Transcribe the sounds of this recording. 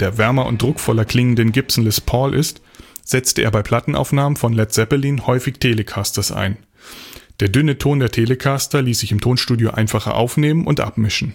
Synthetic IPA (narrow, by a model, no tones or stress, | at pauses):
d̥eːɐvɛɐmɐʊ̰nt̚dʁʊkfɔlɐkl̥ɪŋən̩dənɡɪpsn̩ləspʰɔlʔɪ̰st | z̥ɛt͡stəʔḛːɐbaɪpʰl̥atn̩ʔa̰ʊfnaːmənfɔnlɛtz̥ɛpɐliːnhɔʏfɪçtʰeːləkʰastɐsʔa̰ɪn | d̥eːɐdʏnətʰoːndeːɐtʰeːləkʰaːstɐliːsz̥ɪçɪmtʰoːnʃtuːdjoʔa̰ɪnfaχɐ̰ʔa̰ʊfneːmənʔʊntʔa̰pmɪʃn̩